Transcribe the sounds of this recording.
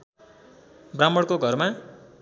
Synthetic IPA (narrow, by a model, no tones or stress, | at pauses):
bramːʌɽkoɡʱʌrma